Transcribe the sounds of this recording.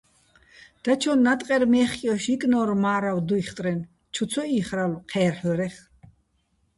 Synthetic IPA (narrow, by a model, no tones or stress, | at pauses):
d̪̥at͡ʃʰɔnːat̪ʼqʼɛɾmɛːχʼjɔʃikʼnɔɾmaːɾawd̪uiχt̪ʼɾɛn | t͡ʃʰuɔiχɾalqʰɛːɾħɔɾɛχ